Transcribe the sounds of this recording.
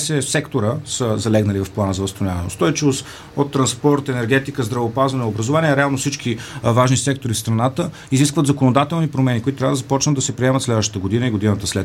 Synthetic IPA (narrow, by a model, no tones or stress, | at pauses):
sɛsɛkt̪oɾəsəzɐlɛɡnəlivɐfplˠanəzɐvəst̪onʲavɐnɛ̰ost̪ɔjt͡ʃivost̪ | ot̪ːɾɐnspɔɾt̪ɛnɛɾɡ̟ɛt̪ikəzd̪ɾɐvopazvɐnɛobɾəzovaniɛɾɛalˠnofsit͡ʃkʰivaʒnisɛk̚t̪oɾifst̪ɾɐnat̪ə | iziskvət̪zɐkonod̪at̪ɛlˠnipɾomɛnikoʊit̪ot̪ɾavəd̪əzɐpɔt͡ʃnət̪d̪ɐsɛpɾiɛmət̪slɛd̪vəʃt̪ə̥t̪əɡod̪inəiɡod̪inət̪əslɛ